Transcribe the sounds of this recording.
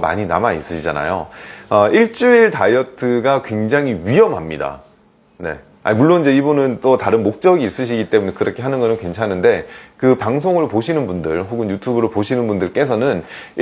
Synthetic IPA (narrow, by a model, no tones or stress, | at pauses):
ma̰ɲina̰mais͈ɯɕʰid͡ʑa̰na̰jo̰ʌiɭt͡ɕ͈uiɭtajʌtʰɯɡakwe̞ŋd͡ʑaŋiɥiɦʌmɦamɲida̰ | ne̞̰ | a̰muɭːonid͡ʑe̞ibunɯnt͈otaɾɯnmok̚t͡ɕ͈ʌɡiːs͈ɯɕ̬ʰiɡit͈e̞mune̞kɯɾʌkʰe̞ɦanɯnɡʌnɯnkwe̞nt͡ɕʰanɯnde̞kɯpaŋs̬ʰoŋɯɭpoɕʰinɯnbundɯɭɦoɡɯnjutʰubɯɾoɭpoɕʰinɯnbundɯɭk͈e̞sʰʌnɯn